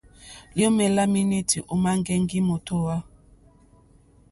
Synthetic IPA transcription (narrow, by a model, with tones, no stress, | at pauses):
ljo˦mɛ˨la˦mi˦ni˦tʰi˨ʔu˦ma˦ŋ˦ɡɛ˦ŋɡi˦mo˨to˦wa˦